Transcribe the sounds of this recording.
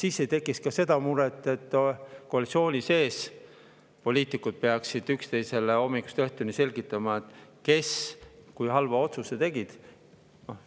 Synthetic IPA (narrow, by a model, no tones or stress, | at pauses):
sisːe̞jt̪e̞kːˑiskɑse̞d̪ɑmuɾet̪ːˑe̞t̪ːkoɑlʲit̪sio̞ːnʲise̞ːs | po̞lʲiːt̪ˑikud̪̥̚peɑksid̪̥ykst̪e̞jse̞leo̞mːiku̥st̪eht̪unise̞lʲɡ̥it̪ːˑɑmɑet̪ˑke̞skujɦɑlvɑo̞t̪susːet̪e̞ɡ̥id̪̥ | no